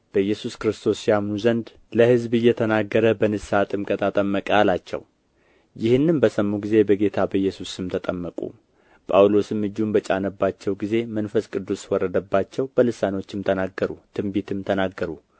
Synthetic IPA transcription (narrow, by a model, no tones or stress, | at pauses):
b̥əjːɛsuskɾɨst̪ʰo̞sijamnuzənd̪ | ləhɨzbɨjːɛt̪ʰənaɡːəɾəbənɨsat̪ʼɨmkʼət̪ʰat̪ʼəmːəkʼəalat͡ʃːɛ̰w | jɪhɨnːɨmbəsəmːuɡize̞bəɡe̞t̪ʰabəɨjːɛsusɨmt̪ʰət̪ʼəmːəkʼṵ | pʼawlo̞sɨmːɨd͡ʒːumbət͡ʃʼanəbːat͡ʃːɛwɡize̞mənfəskʼɨd̪ːuswɔrːəd̪əbːat͡ʃːɛwb̥əlɨsano̞t͡ʃːɪmt̪ʰənaɡːəɾut̪ʰɨmbit̪ʰɨmt̪ʰənaɡːəɾu